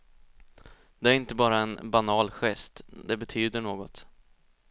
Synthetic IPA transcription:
d̪̥ɛæɾɪnt̪əbɑːɾaɛnbanɑːlɧɛst̪d̪ɛbɛt̪ʰyːd̪əɳoːɡɔt̪

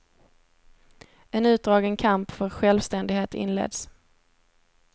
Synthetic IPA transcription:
ɛnʉ̟ːt̪̚d̪ɾɑːɡənkʰampfœɾɧɛlvst̪ɛnd̪ɪɡheːt̪ɪ̰nlḛːd̪s

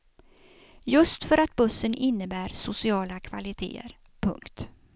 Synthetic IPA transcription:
jɵst̪fœɾat̪̚bɵsːənʔɪnːəbæːɾsʊsɪɑːlakʰva̰lɪt̪ʰḛːə̰ɾ | pʰɵ̰ŋkt̪

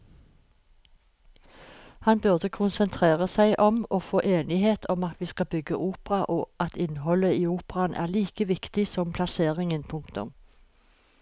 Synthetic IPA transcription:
hɑnbʉʁd̪əkʰʊnsənt̪ʰʁeːʁəsæɪʔɔmoːfoːʔeːnɪheːt̪ʰɔmɑt̪ʰʋiːskɑbʏɡə̰ʔuːpʁɑʔoːʔɑt̪ɪnhɔləiːuːpʁɑnʔæ̰ːʁliːkəʋɪkt̪ɪsɔmpʰlɑseːʁɪŋənpʰʊŋkt̪ʊ̰m

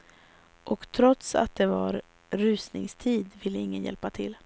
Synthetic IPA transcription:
ʔɔkt̪ʰɾɔt̪sa̰t̪̚d̪ɛvaɾ | ɾʉ̟ːsnɪ̰ŋst̪ʰiːd̪vɪlːəɪŋːənjɛ̰lpat̪ʰɪ̰lː

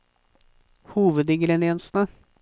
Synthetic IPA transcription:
huːʋəd̪ɪŋɡɾɛnɪɛnsnə

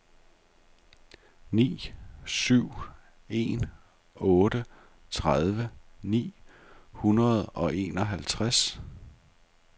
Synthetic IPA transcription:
nḭːsyʊ̰ | e̝̰n | ɔ̽ːɾə | t͡sʰʁað̞ˠʋənḭː | hunɐð̞ˠɒ̽ʔe̝̰ːnɒ̽ɦælt͡sʰʁas

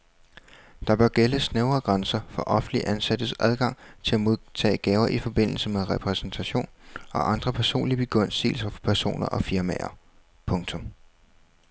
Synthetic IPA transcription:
d̥ɑ̈b̥ɶɐɡ̥eləsneʊɐːɡ̥ʁɑnsɐfɒ̽ʔɒ̽fn̩liʔænsæd̥əsʔæð̞ˠɡ̥ɑ̈ŋ̰t͡sʰe̝læmo̝ð̞ˠt͡sʰɛ̰ːɡ̥ɛːʊɐʔifɒ̽b̥e̝n̰l̩səmeðˠʁɛpʰʁɛsn̩t͡sʰæɕo̝̰ːnɒ̽ʔɑ̈nd̥ʁɐpʰæɐso̝̰ːnlib̥e̝ɡ̥ɔ̽n̰sḭːl̩sɐfɒ̥pʰæɐso̝̰ːnɐʔɒ̽fiɐmɛ̰ɐ | pʰɔ̽ŋt͡sʰɔ̽m

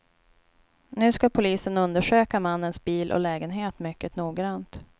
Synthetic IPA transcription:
nʉ̟ːskapʰʊliːsənɵnd̪əʂøːkamanːənsbiːlʔɔ̰lɛːɡənɦeːt̪mʏkːət̪nuːɡɾant̪

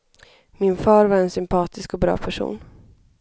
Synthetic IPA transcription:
mɪnfɑːɾvaɾɛnsʏmpʰɑːt̪ɪskɔbɾɑ̰ːpʰæʂṵːn

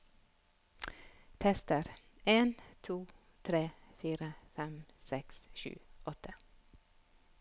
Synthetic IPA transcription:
t̪ʰɛst̪əɾ | ʔeːnt̪ʰuː | t̪ʰɾeːfiːɾəfɛmsɛksʃʉ̰ːɔt̪ə

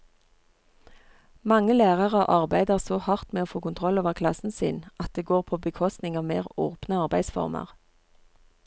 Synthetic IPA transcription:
mɑŋəlæːʁɑʁəʔɑʁbæɪd̪əʁsoːhɑʁt̪meːoːfoːkʊnt̪ʰʁɔloːʋəʁkʰlɑsn̩sɪ̰nʔɑt̪̚d̪eːɡoːʁpʰoːbəkʰɔst̪nɪŋɑːʋmeːʁo̰ːpnəɑʁbæɪsfɔ̰ʁmə̰ʁ

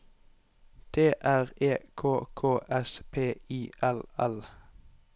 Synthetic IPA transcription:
t̪ʰeːʔæːʁeːkʰoːkʰoːʔɛspʰeːiːʔɛlɛl

